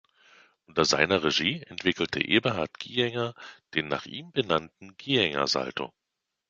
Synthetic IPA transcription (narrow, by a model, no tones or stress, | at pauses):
ʔʊntɐza̰ɪnɐʁeʒiːɛntv̥ɪkl̩tʰə̰ʔeːbɐɦaɐtɡ̥iːɛŋɐd̥eːnːa̰ːχʔiːmbənantn̩ɡ̥iːɛŋɐ̰za̰ltʰo̰